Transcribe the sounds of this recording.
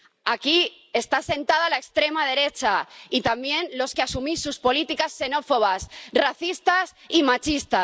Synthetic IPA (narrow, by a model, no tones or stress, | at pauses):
aki | e̞st̪ase̞nt̪aðalaekst̪ɾe̞maðe̞ɾe̞t͡ʃait̪ambje̞nlo̞skeasumisːuspo̞lit̪ikasːe̞no̞fo̞β̞asraθist̪asimat͡ʃist̪a